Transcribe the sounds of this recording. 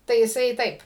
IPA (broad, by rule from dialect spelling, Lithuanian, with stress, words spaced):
tɐɪ jɪˈsɐɪ ˈtɐɪp